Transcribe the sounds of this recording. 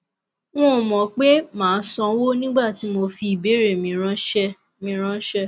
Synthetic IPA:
w̃ɔ̃˦o˨mɔ̃˨k͡pe˦mãː˨˦sɔ̃˧˦wo˦nĩ˦ɡ͡ba˦˨ti˨˦mo˧fi˧i˨be˨˦ɾe˦˨mĩ˨˧ɾ̃ã˦ʃɛ˦ | mĩ˧˦ɾ̃ã˦ʃɛ˦

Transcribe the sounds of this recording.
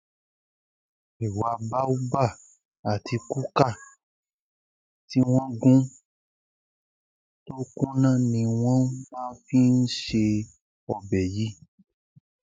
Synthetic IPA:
e˨wa˧ba˦u˦ba˦˨ | a˨tʰi˧ku˦ka˦˨ | ti˦w̃ɔ̃˦ɡũ˦ | to˦kũ˦nã˦˨nĩ˧w̃ɔ̃˦mãː˦˧fi˦n̩˦ʃe˧ | ɔ˨bɛ˨ji˨˦

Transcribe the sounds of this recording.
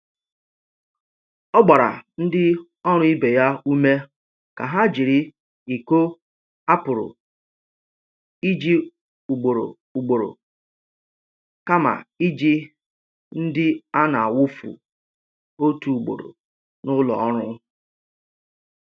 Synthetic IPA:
ɔ˦ɡ͡ba˨ɾa̰˨n̩˦dɪ˦ | ɔ˦ɾ̃ʊ˦i˦be˨ja˦u˦me˦ | ka˨ɦa˦d͡ʒi˨ɾi˦ | i˨ko˦ | a˦pʊ˨ɾʊ̰˨ | i˦d͡ʒi˦ | u˨ɡ͡bo˨ɾo̰˨ | u˨ɡ͡bo˨ɾo̰˨ | ka˦ma̰˨i˦d͡ʒi˦ | n̩˦dɪ˦a˦na˨a˨wʊ˦fṵ˨ | o˦tu˨u˨ɡ͡bo̰˨ɾo̰˨ | nʊ˦lɔ̰˨ɔ˦ɾʊ˦

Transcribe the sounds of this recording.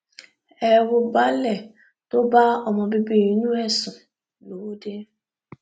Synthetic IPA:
e˦˨wʊ˨ba˦le˨ | tʊ˦ba˦ɔ˨mɔ˨bɪ˦bi˦˨ɲu˦e˦sʊ˨ | no˨˦de˦

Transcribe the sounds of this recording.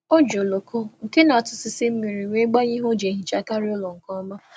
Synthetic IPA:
o˦d͡ʒo˨lo˨ko˦ŋ̩˨ke˦na˨tʊ˨sɪ˨sɪ˦m̩˦mi˨ɾi˨wʷe˦ɡ͡ba˦ɲi˦ɦo˦d͡ʒe˨ɦi˨t͡ʃa˨ka˦ɾɪ˦o˦lo˨ŋ̩˨kɔ˦ma˦

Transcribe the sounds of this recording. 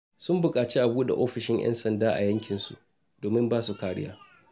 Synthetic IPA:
sʊ˦mbʊ˨kʼaː˨t͡ʃi˦ʔa˨buː˦da̰˨ʔoː˦ɸɪ˨ʃɪ˦ŋʔɛ̰˦nsɐ˨ndaː˦ʔa̰˨jɐ˦ŋkʲɪ˨nsṵ˦ | d̥oː˨mɪ˦mbaː˦su˨kaː˦ɽɪ˦ja̰ː˦

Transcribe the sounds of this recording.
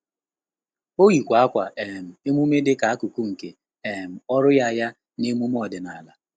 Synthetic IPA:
o˦ɣi˨kʷa˨a˦kʷa˨ʔe˨m̩˨e˦mu˦me˦dɪ˦ka˨a˦ku˨ku˦ŋ̩˨ke˨ | e˨m̩˨ɔ˦ɾʊ˦ja˦ja˦ | ne˦mu˦m˦ɔ˨dɪ˨na˨la˨

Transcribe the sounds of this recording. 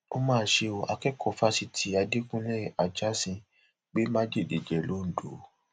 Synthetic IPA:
o˧mãː˦˨ʃe˧o˨ʔa˧kɛ˦kɔ˦˨fa˦si˧˦tʰi˨˦a˧di˦kũ˦lɛ˦˨a˨d͡ʒa˦sĩ˧ | ɡ͡be˦mã˦d͡ʒe˦˨de˨d͡ʒɛ˨lo˨˦n̩˨do˨˦

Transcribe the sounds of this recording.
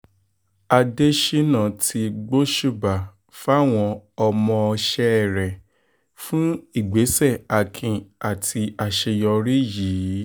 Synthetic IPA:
a˧de˦ʃe˦nã˦˨tʰi˧ɡ͡bo˦ʃu˦˨ba˨ | fa˦˨w̃ɔ̃˧ɔ˧mɔ̃˧ɔ˧ʃɛ˧˦˨ɾɛ˨ | fũ˦i˦˨ɡ͡be˨˦sɛ˦˨a˨kʰĩ˨a˨tʰi˧a˨ʃe˧jɔ˧ɾi˦jiː˨˦

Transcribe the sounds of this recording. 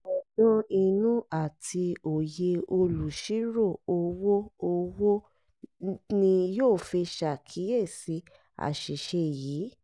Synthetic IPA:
ɔ˨dɔ̃˧i˧nũ˦a˦˨tʰi˧o˨je˧o˧lu˨ʃi˦ɾo˦˨o˧wo˦o˧wo˦ | nĩ˧joː˦˨fi˧ʃa˨kʰi˨˦je˦˨si˨˦ | a̰˨ʃi˨ʃe˧˨jiː˨˦

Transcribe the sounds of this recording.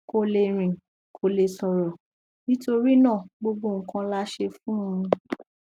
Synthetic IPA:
ko˧le˧ɾ̃ĩ˨ | kʰo˧le˧sɔ˨ɾɔ˨ | nĩ˦to˧ɾi˦nãː˦˨ɡ͡bo˧ɡ͡bo˦˨ŋ̩˨kã˧la˦ʃe˧fũ˦ũ˧

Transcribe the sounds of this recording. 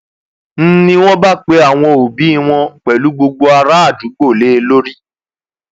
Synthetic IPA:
n̩˦nĩ˧w̃ɔ̃˦ba˦˨k͡pe˧˦a˨w̃ɔ̃˧o˨bi˨˦i˦˧w̃ɔ̃˧˨k͡pɛ˨lu˨˦ɡ͡bo˧ɡ͡bo˧a˧ɾa˦a˦˨d͡ʒu˨˦ɡ͡bo˦˨le˦e˧lo˦ɾi˦

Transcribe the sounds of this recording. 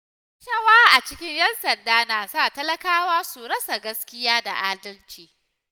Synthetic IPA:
ʃɐ˦waː˦ʔa˨t͡ʃɪ˦kʲɪ˦ɲjɐ˦nsɐ˨ndaː˦naː˨saː˦˨tɐ˦lɐ˦kaː˦waː˦su˨ɽɐ˦sa˨ɡɐ˦skʲɪ˦jaː˦da̰˨ʔaː˦dɐ˦lt͡ʃiː˨

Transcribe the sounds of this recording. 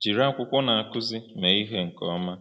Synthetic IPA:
d͡ʒi˨ɾa˦kʷʊ˦kʷɔ˦na˨a˨kʊ˦zi˦me˨i˦ɦe˦ŋ̩˨kɔ˨˦ma˦

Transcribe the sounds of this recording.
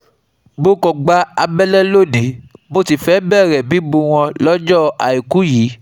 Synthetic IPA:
bo˧kɔ˨ɡ͡ba˨˧a˧bɛ˦lɛ˦lo˦˨nẽ˨˦mo˦ti˨fɛ˦bɛ˦˨ɾɛ˨bi˨˦bu˧w̃ɔ̃˧lɔ˦d͡ʒɔ˦˨a̰˨i˨ku˨˦ji˨˦

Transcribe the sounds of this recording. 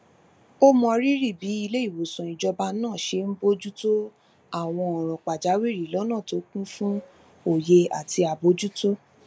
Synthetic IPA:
o˦mɔ̃˧ɾi˦ɾi˦˨bi˨˦i˧le˦i˦˨wo˨sɔ̃˨i˨d͡ʒɔ˧ba˧nãː˦˨ʃe˧m̩˦bo˦d͡ʒu˦to˦ | a˦˨w̃ɔ̃˧ɔ˨ɾ̃ɔ̃˨k͡pa˨d͡ʒa˨˦wi˦˨ɾi˨˦lɔ˨˦nãː˦˨to˨˦kũ˦fũ˦ | o˨je˧a̰˨ti˧a˨bo˨˦d͡ʒu˦to˦

